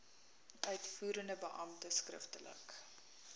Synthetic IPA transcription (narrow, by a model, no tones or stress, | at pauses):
ʔœɥtfuːɾəndəbəʔɐmtəskrə̰ftələ̰k